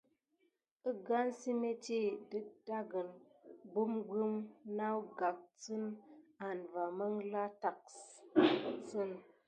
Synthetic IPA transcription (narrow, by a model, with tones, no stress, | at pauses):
ə˦ɡa˦nsi˦me˦ti˦də˦k̚da˦ɡə˨nbu˦mɡə˦mna˦wɡa˨k̚t͡sɨ˦na˨nva˨mə˦ŋla˦ta˨ks | t͡sɨ˦n